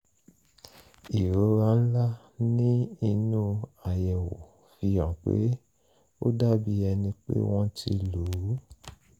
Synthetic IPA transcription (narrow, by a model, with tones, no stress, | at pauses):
i˨ɾo˨˧˦ɾa˦n̩˦la˦ | nĩ˦i˧nũ˦a˨jɛ˨wo˨ | fi˧ã˨k͡pḛ˨˦ | o˦da˦bi˧ɛ˧nĩ˧k͡pḛ˦w̃ɔ̃˧tʰi˧lu˨ɾu˨˦